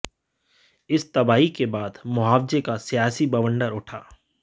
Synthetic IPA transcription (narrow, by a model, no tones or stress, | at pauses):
ɪst̪ɐbaːikebaːd̪mʊɦaːʋd͡ʒekasijaːsibɐʋə̃ɳɖəɾʊʈʰaː